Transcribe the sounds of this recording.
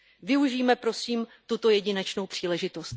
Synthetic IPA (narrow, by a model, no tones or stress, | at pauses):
vɪuʒiːmɛpɾo̞siːmt̪ut̪o̞jɛɟɪnɛt͡ʃno̞wpr̝̥iːlɛʒɪt̪o̞st̪